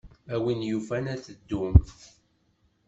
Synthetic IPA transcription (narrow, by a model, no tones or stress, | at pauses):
æwinjufænæθəd̪ːum